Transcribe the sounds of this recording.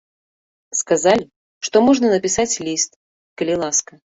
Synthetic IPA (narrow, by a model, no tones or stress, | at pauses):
skazalʲɪ | ʂt̪ɔmɔʐnənəpʲɪsat͡sʲlʲist̪ | kəlʲɪlˠaskə